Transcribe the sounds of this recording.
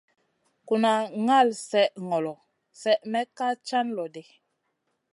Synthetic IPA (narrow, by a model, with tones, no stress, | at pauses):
ku˨na˨ŋa˦˨lsɛ˦ʔŋɔ˨lɔ˨ | sɛ˦ʔmɛ˦ka˦t͡ʃa˦nlɔ˨de˨